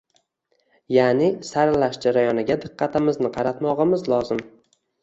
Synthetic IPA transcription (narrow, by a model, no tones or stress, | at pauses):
janɪsaɾlaʃd͡ʒaɾajɒnɪɡʲad̪ɪqʰːɑt̪ʰɪmɪznɪqʰɑɾat̪mɒʁɨmɪzlˠɒzɪm